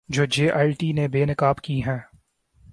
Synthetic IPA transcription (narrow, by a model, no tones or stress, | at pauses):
d͡ʒoːd͡ʒeːʔaːɪʈiːnebeːnɪkaːbkiɦɛ̃ː